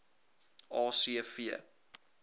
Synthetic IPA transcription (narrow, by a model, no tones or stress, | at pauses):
ɑːsiəfiə